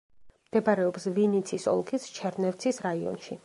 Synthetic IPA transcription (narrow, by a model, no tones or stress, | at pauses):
md̪̥ɛbaɾɛɔpsvinit̪sʰisɔ̰lˠkʰist͡ʃʰɛɾnɛft̪sʰisɾaiɔ̰nʃi